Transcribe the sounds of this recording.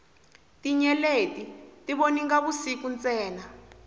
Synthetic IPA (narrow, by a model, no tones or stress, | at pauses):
tiɲɛletʼitiɓoniŋɡaβusikunt͡sʼɛːna